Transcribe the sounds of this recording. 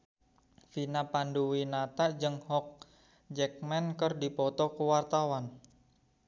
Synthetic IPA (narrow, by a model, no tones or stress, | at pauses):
finapanduwinat̪aʔd͡ʒəŋhɔk̚ | d͡ʒɛk̚mɛnkərdipɔt̪ɔkəwart̪awan